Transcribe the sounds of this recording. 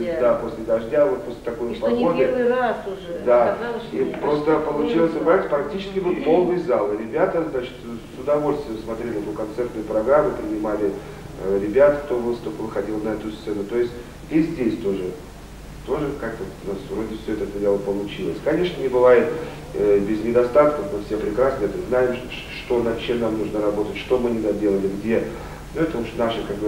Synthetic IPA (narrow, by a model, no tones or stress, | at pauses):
d̪apo̞sʲlʲɪd̪ɐʐdʲavot̪̚posʲlʲɪ̥t̪ɐko̞jpɐɡod̪əaʊʐd̪aipɾo̞st̪əpəlˠʊt͡ɕilˠəsʲɪpasʲfɾɐk̚tʲit͡ɕɪ̥skʲɪvɨlˠpo̞lˠnɨjzalˠɨɾʲɪbʲat̪əznat͡ɕɪ̥t̪sʊd̪ɐvo̞lʲst̪vʲjəmsmɐt̪ɾʲelʲɪɛt̪ʊkɐnt̪sɛrt̪nʊjʊpɾɐɡɾamːʊpɾʲɪnʲɪmalʲɪ | ɾʲɪbʲat̪kt̪o̞vɨst̪ʊpəvɨxɐdʲilˠnɐɛt̪ʊst̪sɛnʊt̪o̞ɪsʲtʲ | dʲesʲdʲesʲt̪o̞ʐɨ | t̪o̞ʐɨkak̚t̪ət̪nasvɾo̞dʲɪfsʲoɛt̪əɛt̪ədʲelˠəpəlˠʊt͡ɕilˠə̰sʲkɐnʲe̞ʂnənʲɪbɨvajɪt̪ | bʲɪznʲɪd̪ɐst̪at̪kəfmɨfsʲe̞pɾʲɪkɾasnɨɛt̪əznajɪm | ʂt̪o̞nɐt͡ɕe̞mnamnuʐnəɾɐbo̞t̪ətʲʂt̪o̞mɨnʲɪd̪adʲe̞lˠəlʲɪɡdʲe̞ | nuɛt̪əvopɕɪmnaʂɨkaɡbɨ